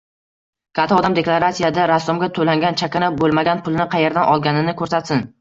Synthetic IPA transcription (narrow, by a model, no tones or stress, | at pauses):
kʲʰat̪ʰɒɒd̪amd̪eklˠaɾasijad̪aɾasːʊmɡʲat̪ʰɵlaŋɡʲant͡ʃʰakʲanabolˠmaɡʲanpʰʊlˠɪnɪqʰɑjeɾd̪anʔɒlˠɡʲanɪnɪkʰɵɾsat̪sɪn